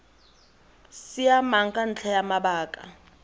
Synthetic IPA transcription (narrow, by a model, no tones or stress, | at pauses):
sijamaŋkʼan̩t͡ɬʰɛjamabaːkʼa̰